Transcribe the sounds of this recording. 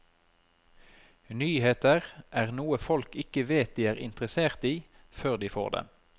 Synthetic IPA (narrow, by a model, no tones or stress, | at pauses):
nyːheːt̪əʁʔæːʁnuːəfɔlkɪkəʋeːt̪̚d̪iːæːʁɪ̰nt̪ʁəseːʁt̪iː | føːʁd̪iːfo̰ːʁd̪ḛː